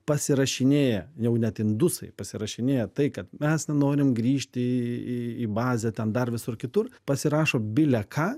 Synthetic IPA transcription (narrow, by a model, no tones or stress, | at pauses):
pɐsʲɪɾɐʃʲɪnʲeːjɛjɛʊnʲɛt̪ɪnd̪ʊsɐ̰ɪpɐsʲɪɾɐʃʲɪnʲeːjɛt̪ɐɪkɐt̪mʲɛsnʲɛnoːɾʲɪmɡɾʲiːʃʲt̪ʲɪiibɑːzʲɛt̪ʲɛnd̪ɐrʋʲɪsʊrkʲɪt̪ʊrpɐsʲɪɾɑːʃoːbʲɪlʲɛkʰɑː